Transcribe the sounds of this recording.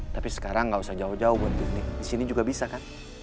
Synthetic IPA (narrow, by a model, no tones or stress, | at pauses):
t̪apisɛ̥kaɾaŋːɡausahd͡ʒaud͡ʒaubant̪ik̚nikdisinid͡ʒuɡabisakan